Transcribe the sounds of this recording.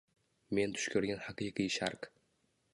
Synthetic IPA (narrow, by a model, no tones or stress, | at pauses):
me̞nt̪ʰʊ̥ʃkʲʰɵɾɡʲanħɑqɨqɨjʃa̰ɾq